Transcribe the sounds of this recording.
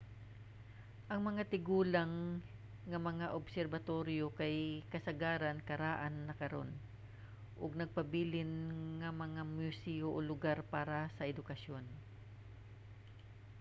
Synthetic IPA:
ʔɐŋmɐŋat̪ɪɡuːlaŋː | ɐmɐŋaʔobsɛɾbɐt̪o̞ɾjokajkɐsɐɡaːɾɐnkɐɾaːʔanːɐkɐɾo̞̰n | ʔoɡ̚nɐɡ̚pɐbiːlɪnŋɐmɐŋamʊsɛoʔolʊɡaɾpaːɾɐsɐʔɛd̪ʊkɐʃjo̞n

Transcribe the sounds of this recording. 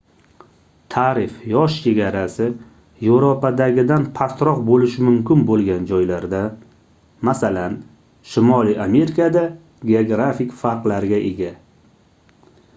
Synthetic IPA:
t̪ʰaɾɪfjɒʃt͡ʃʰe̞ɡʲaɾasɪ | jewɾopad̪aɡʲɪd̪anpʰast̪ɾɒqbolɪʃɪmʊmkʰʲɪnbolˠɡʲand͡ʒɒjlaɾd̪a | masalan | ʃɪmɒliame̞ɾɪkʰad̪a | ɡʲeoɡɾafɪkʲfaɾqlaɾɡʲaʔeɡʲa

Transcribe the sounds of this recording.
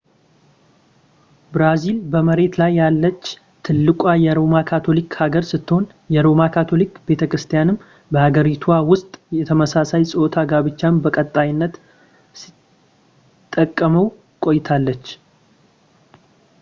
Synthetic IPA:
bɾazilbəməɾe̞t̪lajːalːət͡ʃː | t̪ʰɨlːɨkʷʼajɛɾo̞makʰat̪ʰo̞likhaɡəɾsɨt̪ːɨho̞n | jɛɾo̞makʰat̪ʰo̞likbe̞t̪ʰəkɾɨst̪ʰijanɨm | bəhaɡəɾit̪ʰuawʊst̪ʼjɛt̪ʰəməsasajsʼɨot̪ʰaɡaβɨt͡ʃːambəkʼət̪ʼːajɪnːət̪ | si̥ | t̪ʼːəkʼːəməw | kʼo̞jt̪ʰalːət͡ʃː

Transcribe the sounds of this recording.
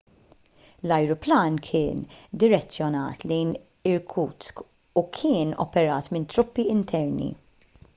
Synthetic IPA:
lɐjɾʊplɐːnkʰɪːnd̪ɪɾɛt͡sːjɔnɐ̰ːt̪lɛjn | ɪɾkʰuːt͡sk | ukʰɪːnɔ̰pɛɾɐːt̪mɪnt̪ɾʊpːiɪnt̪ʰɛɾnḭ

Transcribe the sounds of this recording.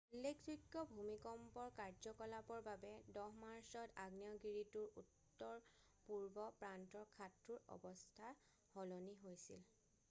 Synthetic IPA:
ulːek̚tɹikːɔbʱumikɔmpɔɹkaɹzɔkɔlapɔɹbabɛdɔɦmaɹsɔtaɡnijɔɡiɹituɹutːɔɹ | puɹbɔpɹantɔɹkʰatɹuɹɔ̰bɔstʰa | hɔloniɦojsḭl

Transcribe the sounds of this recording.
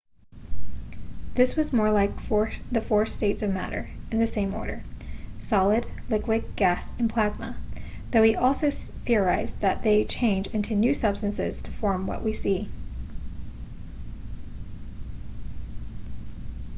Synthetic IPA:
ðɪswʌzmɔɹlaɪkfɔɹðɨfɔɹsteɪtsʌvmæ̰ɾə̰˞ɨ̃nðɨsẽɪ̃mɔ̰ɹɾə̰˞sɑlˠɨdlɪkwɨd̚ɡ̥æsɨ̃npʰl̥æzmə | ðoʊiʔɔlˠsoʊθɪə˞aɪzðɨt̪̚ðeɪt͡ʃʰẽɪ̃nd͡ʒɪ̃ntʰʉnʉsʌb̥stɨ̃nsɪ̰z̥tʰə̥fɔɹmwʌ̰ʔwʔisi

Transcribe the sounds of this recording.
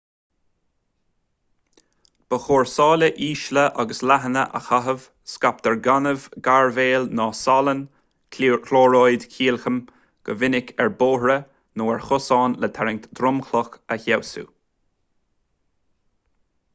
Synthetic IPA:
b̥əxoːɹsɑːləʔiːʃləʔaɡəslaɦənə̰ʔə̰xaɦəv̥ | skap̚t̪ɛɹɡanəvɡaɹveːlnɑːsɑlən | kʰloːɹoːjd̪kʰiːlxəm | ɡ̥ə̰vɪnɪkʰɛɹboːhɹə | noːɛɹxʊsɑːnlət̪ʰɛɹɪŋt̪d̪̥ɾʊmxlɔxəçawsṵː

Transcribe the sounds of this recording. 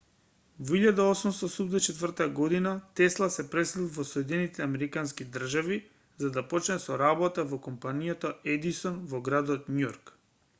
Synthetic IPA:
voiʎad̪aosumst̪ɔsumd̪ɛt͡ʃɛt̪vr̩t̪aɡɔd̪inat̪ɛslˠasɛpɾɛslilˠvɔsɔɛd̪ɛnit̪ɛamɛɾikanskid̪r̩ʒavi | zad̪apot͡ʃnɛsɔɾabɔt̪avɔkɔmpanijat̪oɛd̪isɔnvɔɡɾad̪ɔt̪̚nujɔɾk

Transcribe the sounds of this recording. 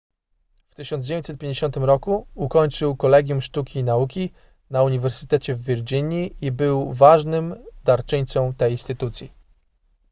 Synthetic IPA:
ft̪ɘɕɔnd̪d͡ʑeeɲt͡ɕʲtsɛt̪̚pʲjeɲd͡ʑeɕɔnt̪ɘmɾɔkuukɔɲt͡ʂɘwkɔlɛɡʲjumʂt̪ukʲinaukʲi | nauɲivɛɾsɘ̥t̪ɛt͡ɕɛvːʲiɾd͡ʑiɲiʔibɘwvaʐnɘmd̪aɾt͡ʂɘɲʲt̪sɔ̃w̃t̪ɛjinst̪ɘt̪ut̪sʲji

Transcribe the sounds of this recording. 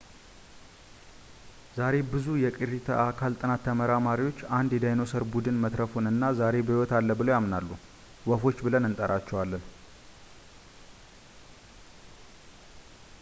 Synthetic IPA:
zaɾe̞bɨzujɛkʼirit̪ʰə̰ʔakʰalt̪ʼɨnat̪ʰːəməɾamaɾiwo̞t͡ʃːand̪jɛd̪ajnosəɾbud̪ɨnmət̪ɾəfunɨnːazaɾe̞bəhiwɔt̪alːəbɨlowjamnalːu | wɔfo̞t͡ʃːbɨlənɨnt̪ʼəɾat͡ʃːɛwalːən

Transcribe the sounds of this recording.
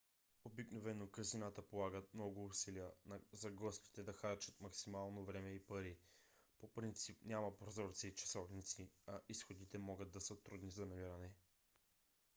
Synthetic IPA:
obiknovɛnokɐzinat̪əpolˠaɡət̪̚mnɔɡʊːsilijənɐzɐɡɔsk̪i̥t̪ɛd̪ɐxaɾt͡ʃət̪mɐksimalˠnovɾɛmɛipɐɾi | popɾint̪sipnʲamɐpɾozɔɾt̪siːt͡ʃɐ̥sɔvnit̪siɐʔisxod̪it̪ɛmɔɡəd̪ːɐsət̪ɾud̪nizɐnɐmiɾənɛ

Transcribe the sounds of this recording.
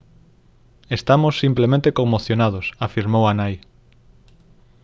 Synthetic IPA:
est̪amosːimplemẽnt̪ekomoθjonað̞osafiɾmowanaj

